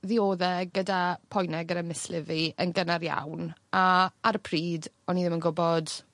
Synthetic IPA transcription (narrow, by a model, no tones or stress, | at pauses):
ðioːðɛɡədapʰɔjnɛɡəɾamɪslɪviənɡənaɾja̰wnaarpʰriːd | ɔniðɪmənɡʊbɔd